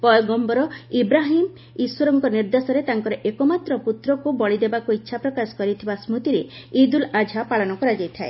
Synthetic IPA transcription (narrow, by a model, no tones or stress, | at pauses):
pɔjɡɔmbɔɾɔibɾaɦim | iswoɾɔŋkɔniɾd̪esɔɾet̪aŋkɔɾɔʔekɔmat̪ɾɔput̪ɾɔkubɔɭid̪ebakuitːʃʰapɾɔkasɔ̥kɔɾit̪ʰibasmut̪iɾeid̪ulad͡ʒʱapaɭɔnɔkɔɾad͡ʒajt̪ʰae